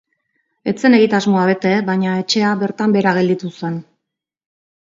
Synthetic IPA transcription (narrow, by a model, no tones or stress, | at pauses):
e̞t͡se̞ne̞ɣit̪azmo̞aβe̞t̪e̞βaɲae̞t͡ʃe̞aβe̞ɾt̪ambe̞ɾaɣe̞ld̪it̪use̞n